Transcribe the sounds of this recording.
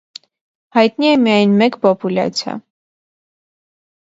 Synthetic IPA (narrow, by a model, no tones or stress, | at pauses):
hɑjt̪niɛmijɑjnmɛkpɔpulɑ̰t͡sʰja̰